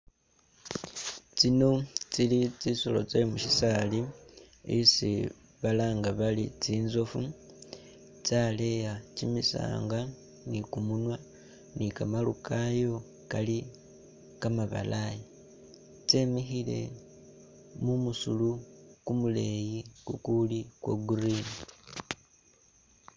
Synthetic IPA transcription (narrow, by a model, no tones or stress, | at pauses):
t͡sino̞t͡silit͡sisolo̞̰t͡selimuʃisali | isi | βalaːŋɡaβalit͡siːnzo̞fu | t͡sale̞jat͡ʃimisa̰ːŋɡa | nikumunwa | nikamalukʰajo̞ | kali | kamaβa̰laji | t͡semixile̞̰ | mumusulukumule̞jikukulikwḛɡuriːni